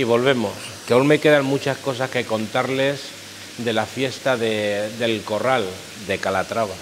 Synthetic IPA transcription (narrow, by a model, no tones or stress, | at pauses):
iβ̞o̞lβ̞e̞mo̞s | keolme̞ke̞ðaŋmut͡ʃasko̞s̬aske̞ko̞nt̪aɾle̞s | d̪e̞lafje̞st̪aðe̞d̪e̞lko̞ral | d̪e̞kalat̪ɾaβa